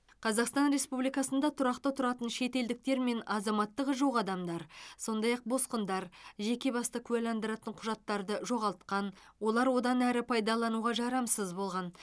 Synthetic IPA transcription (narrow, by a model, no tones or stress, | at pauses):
qʰɑzɑqst̪ɑnɾe̞spublijkɑsənd̪ɑt̪ʰʊɾɑqt̪ət̪ʰʊɾɑt̪ənʃe̞t̪e̞ld̪ɪk̚t̪e̞ɾme̞nɑzɑmɑt̪ːəqʒoʁɑd̪ɑmd̪ɑɾso̞nd̪ɑjɑq̚bo̞sqənd̪ɑɾʒe̞kʲe̞bɑst̪əkʲʰʉælɑnd̪əɾɑt̪əɴqʰʊʒɑt̪ːɑɾd̪əʒo̞ʁɑlˠt̪̚qɑn | wo̞lˠɑɾwo̞d̪ɑnæɾɪpʰɑjd̪ɑlˠɑnuʁɑʒɑɾɑmsəzbo̞lˠʁɑn